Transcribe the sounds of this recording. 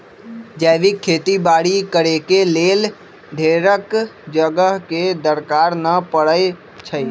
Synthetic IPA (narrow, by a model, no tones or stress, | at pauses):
d͡ʒɛːʋikʰːeːt̪ibaːɽikəɾekeleːl | ɖʱeːɾəkd͡ʒəɡəɦked̪əɾkaːɾnəpəɽəe | t͡ʃʰəi